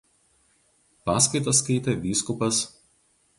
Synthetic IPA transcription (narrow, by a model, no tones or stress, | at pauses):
pɑːskɐɪt̪oskɐɪt̪ʲɛʋʲiːskʊpɐs